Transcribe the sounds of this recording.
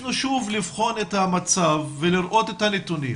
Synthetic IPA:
nuʃuvlivχo̞net̪hamat͡savːeliɾʔo̞t̪et̪hanet̪unḭm

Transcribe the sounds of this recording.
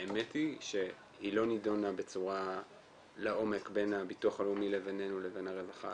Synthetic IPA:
emetiʃe̞ | hilo̞nidonabe̞t͡suʁa | leʔo̞me̞kbe̞nabituaχalumilevenenuleve̞naʁevaχa̰

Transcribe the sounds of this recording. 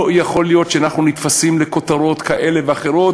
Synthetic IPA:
jaχo̞lijo̞t̪ʃeanaχnunit̪fasimleko̞t̪aɾo̞t̪kaʔele̞veaχe̞ɾo̞t

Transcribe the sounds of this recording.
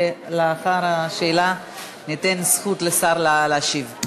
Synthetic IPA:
leaχaɾaʃeːla | nit̪ensχut̪lesaʁlleaʃiv

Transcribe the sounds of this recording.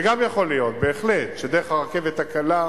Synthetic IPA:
ɡamjaχo̞lijo̞t̪̚be̞ːχletʃed̪eʁeχaʁke̞vet̪akala

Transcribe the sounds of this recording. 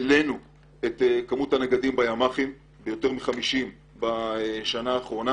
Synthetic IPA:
lenu | et̪ekamuthaneɡadimbajamaχim | bejo̞te̞ʁmiχamiʃim | baʃanaːχʁo̞na

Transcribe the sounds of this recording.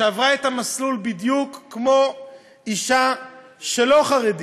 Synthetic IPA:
eavʁaet̪amaslulbid̪jukːmo̞ | iʃa | ʃeloχaʁed̪i

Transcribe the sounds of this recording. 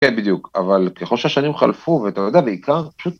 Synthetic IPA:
ebid̪juka̰valkexolʃeaʃanimχa̰lfuveat̪ajod̪eabeikʰaʁpḁʃut̪̚

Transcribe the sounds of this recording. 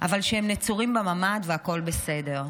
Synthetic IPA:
ʔavalʃeemnet͡suʁimbemamad̪veako̞lbese̞de̞ʁ

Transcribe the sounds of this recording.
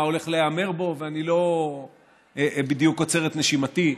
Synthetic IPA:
o̞le̞χleame̞ʁbo̞veanilo̞ | bid̪jukːot͡se̞ʁet̪ne̞ʃimat̪i

